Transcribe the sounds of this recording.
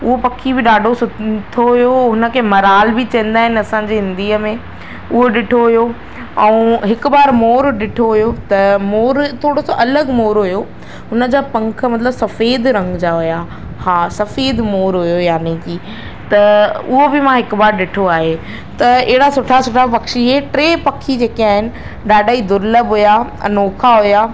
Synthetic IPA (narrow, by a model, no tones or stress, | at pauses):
ʊɦopɐkʰibɪɗaːɖʱosʊt̪ʰoɦʊjoɦʊnə̆kʰeːmɐɾaːlbɪt͡ɕɐ̃ə̃n̆d̪aːɦɪnɪɐsãːɲd͡ʑeːɦɪ̃nd̪iːəmẽ | ʊɦoɗɪʈʰoɦʊjo | ɛ̃ũɦɪkʊ̆baːɾmoːɾɗɪʈʰoɦʊjot̪ɐmoːɾt̪ʰoːɽosaʔɐləɡmoːɾɦʊjo | ɦʊnəd͡ʑaːpɐ̃ŋkʰə̆mɐt̪ləbsɐfeːd̪ɾɐ̃ŋɡd͡ʑaɦʊja | haːsɐfeːd̪moːɾɦʊjojaːnekiː | t̪ɐʊɦobɪmãɦɪkʊbaːɾɗɪʈʰoaːɦe | t̪ɐɪɦɪɽasʊʈʰasʊʈʰapɐkʃiɦeʈɾeːpɐkʰid͡ʑeːkiaːɦɪnɪ̆ | ɗaːɗaːid̪ʊɾləbɦʊja̰ | noːkʰaɦʊjaː